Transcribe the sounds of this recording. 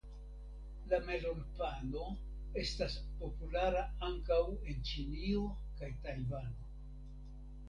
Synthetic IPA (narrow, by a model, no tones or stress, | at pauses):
lame̞lo̞npalo̞ | e̞staspo̞pulaɾaaŋkawe̞nt͡ʃinio̞ | kajtajvano̞